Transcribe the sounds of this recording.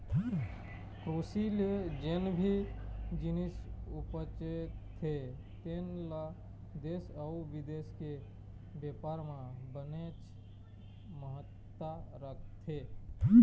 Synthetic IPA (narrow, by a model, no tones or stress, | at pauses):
kɾoːsild͡ʒenbʱid͡ʒɪnisʊpət͡ʃetʰː | e | t̪enla | d̪eːsəuʋɪd̪eːske | beːpaːɾmãbənet͡ʃ | məɦət̪ː | aɾək̚ʰt̪ʰe